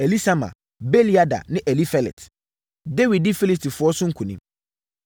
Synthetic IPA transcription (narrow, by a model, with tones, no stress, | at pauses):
e˨li˦sa˦mã̰˨ | bɛe˦li˦a˦da̰˨nɪ̃˦ʔɛ˨li˦fɛ˨lɛ̰˨t | de˦wi˨d̚dɪ˦fi˦li˦sti˨fʊ˨ɔ˦sʊ˦ŋ̩˦kʰũ˨nḭ̃˦m